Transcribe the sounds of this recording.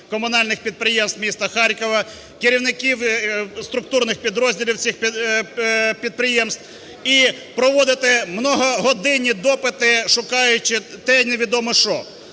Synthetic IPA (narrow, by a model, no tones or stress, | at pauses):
kɔmʊnɑlʲnɪxpʲid̪̚pɾɪjɛmst̪mʲist̪ɐxɑɾʲkɔʋɐ | kɪɾʲiwnɪkʲiwst̪ɾʊk̚t̪urnɪxpʲid̪ɾɔzʲdʲilʲiwt͡sʲixp | pʲid̪̚pɾɪjɛmst̪w | i | pɾɔʋɔd̪ɪt̪ɪmnɔɦɔɦɔd̪ɪnʲid̪ɔpɪt̪ɪʃʊkɑjʊt͡ʃɪt̪ɛneʋʲid̪ɔmɔʃɔ